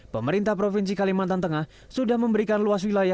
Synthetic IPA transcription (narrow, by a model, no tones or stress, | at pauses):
pəməɾint̪ahpɾofinsikalimant̪ant̪əŋah | sudahməmbəɾikanluaswilaja